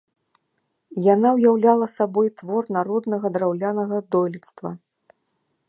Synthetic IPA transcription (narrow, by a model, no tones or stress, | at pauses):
janawjawlʲalˠɐsabɔjt̪vɔrnaɾɔd̪nɐɣɐd̪ɾawlʲanɐɣɐd̪ɔjlʲit̪st̪vɐ̰